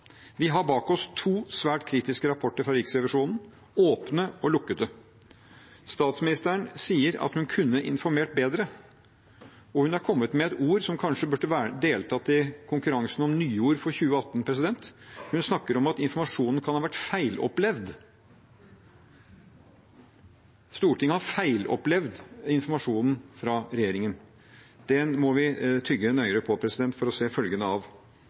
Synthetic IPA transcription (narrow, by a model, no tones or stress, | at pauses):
ʋɪɦɑɾbɑːkɔst̪ʰuːsʋæːʈkʰɾiːt̪ɪskəɾɑpʰɔʈːəɾfɾɑɾɪksɾɛʋɑʂuːnn̩ | oːpnəɔlʊkːət̪ə | st̪ɑːt̪smɪnɪst̪əəɳsiːəɾɑ̰t̪hʉnkʰʉnːəʔɪnfɔɾmeːʈ̚beːd̪ɾə | ɔhʉnæɾkʰɔmːət̪mɛɛt̪uːɾsɔmkʰɑnʂəbʉʈːəʋæd̪eːlt̪ʰɑːt̪ɪkʰʊŋkʉɾɑŋsn̩ɔmnyːuːɾfɔɾçʉːəɑt̪ːnpʰɾɛs̬ɪd̪ɛnt̪hʉnsnɑkːəɾɔmɑt̪ɪnfɔɾmɑʂuːnn̩kʰɑnhɑːʋæʈːfæɪlɔ̰plɛʋd̪ | st̪uːʈʰɪŋːəhɑɾfæɪlɔ̰plɛʋd̪ɪnfɔɾmɑʂuːnn̩fɾɑɾɛjeːɾɪŋən | d̪̥ɛnmɔʋɪt̪ʰʏɡːənœʏəɾəpʰɔpʰɾɛsɪd̪ɛnt̪fɔɾɔseːfœlɡənəɑʋ